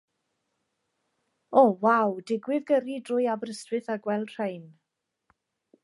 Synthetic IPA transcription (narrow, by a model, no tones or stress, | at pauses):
ɔwawdɪɡwɪðɡəɾidrʊjabrəstvwɨθaɡwɛlˠd̥r̥ejn